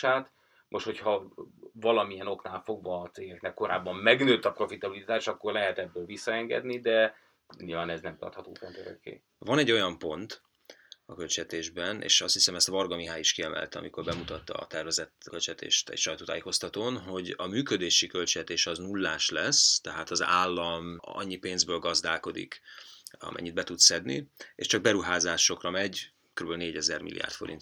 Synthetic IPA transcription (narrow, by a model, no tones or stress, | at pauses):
aːt̪ | moʃt̪ho̞chɒvɒlɒmijɛno̞knaːlfo̞ɡvɒːt̪seːɡɛknɛkːo̞ɾa̰ːbːɒmːɛɡnøːt̪ːɒpro̞fit̪ɒbilit̪aːʃɒkːo̞rlɛɦɛt̪ɛbːøːlvisːɒɛŋɡɛ̰d̪nid̪ɛ | ɲilvaːnɛznɛmt̪ɒ̰rt̪hɒt̪o̰ːfɛnt̪øɾø̰kːḛː | vɒnɛɟːo̞jɒmpo̞nt̪ | ɒkølt͡ʃɛt̪eːʒbɛnʔḛːʃɒst̪hisɛmɛst̪vɒrɡɒmiɦaːjiʃkiɛmɛ̰lt̪ɒ̰miko̞rbɛmut̪ɒt̪ːɒ̰ːt̪ɛrvɛzɛt̪kølt͡ʃɛt̪ʰḛːʃt̪ɛ̰cʃɒjt̪oːt̪aːjeːko̞st̪ɒt̪oːnɦo̞ɟɒmyːkød̪eːʃikølt͡ʃɛt̪eːʃɒznulːaːʃlɛst̪ɛɦaːt̪ɒzaːlːɒmɒ̰ɲːipeːnzbøːlɡɒzd̪aːko̞d̪ḭk | ɒ̰mʔɛ̰ɲːid̪̚bɛt̪ut̪sɛd̪nḭḛʃt͡ʃɒɡ̚bɛɾuɦaːzaːʃo̞krɒmɛɟ | køɾybølneːɟɛzɛrmḭlːḭa̰ːrt̪fo̞ɾḭnt̪